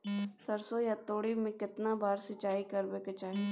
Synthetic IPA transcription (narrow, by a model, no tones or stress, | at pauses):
sɐɾsojat̪oːɽimẽkɪt̪nabaːɾsɪt͡ʃaːikɐɾbeːket͡ʃaːɦe